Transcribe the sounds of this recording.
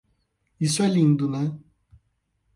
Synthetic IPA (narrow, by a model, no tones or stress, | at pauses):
isalind̪una